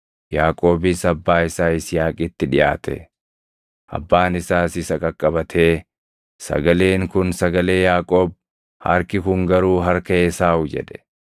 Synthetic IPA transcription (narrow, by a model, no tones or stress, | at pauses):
jaːkʼo̞ːbɪsɐbːaːɪsaːɪsjaːkʼɪt̪ːɪᶑɪjaːt̪ɛ̰ | ʔɐ̰bːaːnɪsaːsɪsɐkʼɐkʼːɐbɐt̪ʰe̞ː | sɐ̰ɡɐle̞ːŋkʊnsɐɡɐle̞ːjaːkʼo̞ːb̚ | hɐ̰ɾkɪkʊŋɡɐɾuːɦɐɾkɐeːsaːʊd͡ʒɛ̰ᶑɛ̥